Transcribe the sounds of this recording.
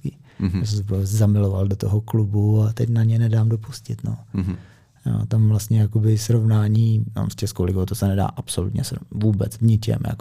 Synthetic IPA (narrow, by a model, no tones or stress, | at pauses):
kɪosɛzpoɛzamɪlovaldot̪oɦoklubuat̪ɛcnaɲɛnɛdaːmdopuscɪt̪no̰ | jo̰t̪amvlast̪ɲɛjakobɪsɾovnaːɲiːna̰mst͡ʃɛskolɪɡot̪osɛnɛda̰ːʔapsolṵt̪ɲɛ̰svuːbɛ̰t͡svɲɪt͡ʃɛ̰mja̰ko